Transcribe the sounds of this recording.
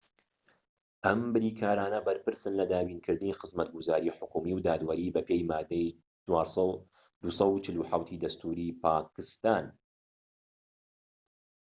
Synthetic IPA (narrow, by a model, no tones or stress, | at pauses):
ʔɐmbɨɾiːkʰaːɾaːnɐbɐɾpɨɾsɨnlɐd̪aːbiːnkʰɨɾd̪ɨniːxɨzmɐt̪̚ɡʊzaːɾiːħʊkumiwd̪aːd̪wɐɾiːbɐpe̞jmaːd̪ːɐj | t͡ʃwaːɾsˤɑ | d̪̥usˤɐwt͡ʃɪluħawt̪ʰiːd̪ɐst̪ʰuːɾipʰaːkɨst̪aːn